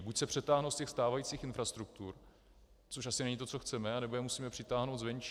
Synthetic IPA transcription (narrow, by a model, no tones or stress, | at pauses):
bucsɛpr̝̥ɛt̪aːɦnowscɛxst̪aːvajiːt͡siːxɪnfɾast̪ɾuk̚t̪uɾ | t͡soʃʔasɪnɛɲit̪̬o̞t͡so̞xt͡sɛmɛanɛbojɛmusiːmɛpr̥ɪt̪aːɦno̞wt̪zvɛnt͡ʃ